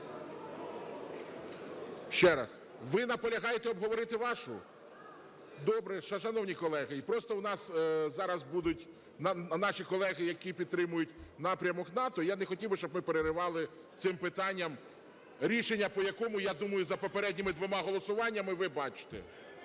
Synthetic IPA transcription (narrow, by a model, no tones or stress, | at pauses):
ʃt͡ʃɛɾɐs | ʋɪnɐpɔlʲɐɦɑjet̪ɛɔbɦɔʋɔɾɪt̪ɪʋɑʃʊ̰ | d̪ɔbɾɛʃɐʃɐnɔwnʲikɔlˠɛɦɪipɾɔst̪ɔwnɑszɑɾɐzbud̪ʊtʲ | nnɑʃʲikɔlˠɛɣɪjɐkʲipʲid̪t̪ɾɪmʊjʊtʲnɑpɾʲɐmɔknɑt̪ɔjanexɔtʲiwbʃt͡ʃɔbmɪpeɾeɾɪʋɑlˠɪ | t̪sɪmpɪt̪ɑnʲːɐm | ɾʲiʃenʲːɐpɔjɐkɔmʊjad̪umɐjʊzɐpɔpeɾɛdʲnʲimɪd̪ʋɔmɑɦɔlˠɔsʊʋɑnʲːɐmɪʋɪbɑt͡ʃɪ̥t̪ɛ̰